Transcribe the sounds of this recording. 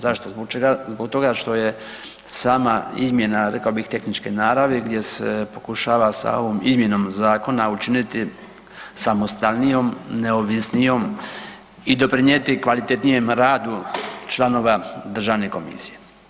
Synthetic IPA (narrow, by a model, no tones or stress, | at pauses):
zaʃt̪obot͡ʃeɡazboɡt̪o̞ɡaʃt̪o̞je̞ | saːmaḭzmʲje̞naɾekaobixt̪e̞xnit͡ʃke̞naːɾaʋeɡd̪je̞sḛpo̞kuʃaːʋasa̰o̞̰ʋomizmje̞no̞mzaːko̞naut͡ʃinit̪i | samo̞st̪alnijo̞mneoʋisnijo̞m | id̪o̞pɾiɲet̪ikʋalit̪et̪nijemɾaːd̪ut͡ʃlˠano̞ʋad̪r̩ʒaːʋne̞ko̞mḭsije̞